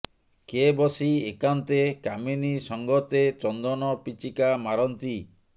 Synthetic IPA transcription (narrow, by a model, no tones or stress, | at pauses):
kebɔsiekant̪ekaminisɔŋɡɔt̪et͡ʃɔnd̪ɔnɔpit͡ʃikamaɾɔnt̪i